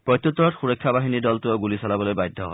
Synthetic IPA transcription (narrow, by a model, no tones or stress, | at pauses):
pɹɔjt̪jot̪ːɔɹɔtxuɹɔjkʰːabaɦinidɔltʊɔɡulisalabɔlojbajdʱːɔɦɔ̰